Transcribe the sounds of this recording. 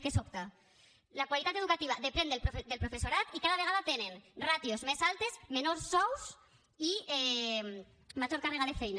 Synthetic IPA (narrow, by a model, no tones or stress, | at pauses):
kesokt̪a | lakwalit̪at̪eð̞ukat̪iβ̞aðepɾend̪elpɾofd̪elpɾofesoɾat̪ikaðaβ̞eɣaðat̪enenrat̪iozmesalt̪ezmenoɾsːɔws | iɛ | maʒoɾkareɣaðefɛjn